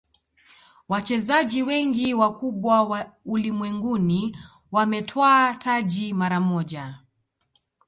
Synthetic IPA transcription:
wat͡ʃɛzaʄiwɛŋɡiwakuɓwawaulimwɛŋɡuni | wamɛtʰwaːtʰaʄimaɾamɔʄa

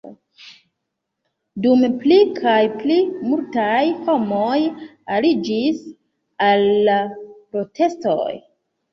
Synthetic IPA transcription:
dumplikʰajplimultajho̞mo̞j | alid͡ʒis | alːapɾo̞tʰe̞sto̞̰j

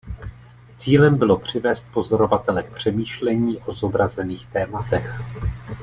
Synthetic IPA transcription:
t͡siːlɛmbɪlo̞pr̝̥ɪvɛːst̪̚po̞zo̞ɾo̞vat̪ɛlɛk̚pr̝̥ɛmiːʃlɛɲiːʔo̞zo̞bɾazɛniːxt̪ɛːmat̪ɛx

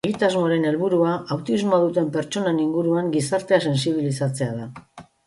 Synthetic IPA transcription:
eɣit̪azmo̞ɾe̞ne̞lβuɾuaʔawt̪izmoað̞ut̪e̞mpe̞ɾt͡ʃo̞neniŋɡuɾuaŋɡisaɾt̪e̞ase̞ns̬iβ̞ilisat͡se̞aða

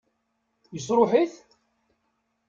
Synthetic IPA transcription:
jəsɾˤʊħiθ

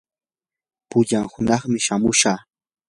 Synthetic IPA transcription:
pʊʎaŋhʊnɑχmɪʃamʊʃaː

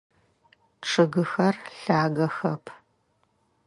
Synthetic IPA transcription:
ʈ͡ʂʰɨɣɨxɐrɬaːɣɐxɐpʰ

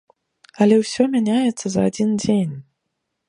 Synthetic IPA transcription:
ɐlʲɛwsʲɔmʲanʲajɛt̪sːɐzɐad͡zʲind͡zʲenʲ

